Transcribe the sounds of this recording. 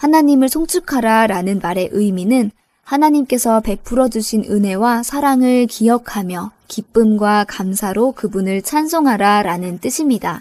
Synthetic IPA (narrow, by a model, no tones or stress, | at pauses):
hanaɲimɯɭsʰoŋt͡ɕʰukʰaɾaɾanɯnmaɾe̞ʔɯiminɯn | hanaɲimk͈e̞sʰʌpe̞p͈ʰːuɾʌd͡ʑuɕʰinɯnɦe̞wasʰaɾaŋɯɭkijʌkʰamjʌkip͈ɯmɡwakamsʰaɾokɯbunɯɭt͡ɕʰansʰoŋɦaɾaɾanɯnt͈ɯɕʰimɲida